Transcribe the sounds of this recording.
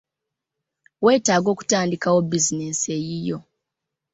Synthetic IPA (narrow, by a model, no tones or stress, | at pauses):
we̞ːtaːɡo̞ːku̥taːndikawo̞bizineːsejijo̞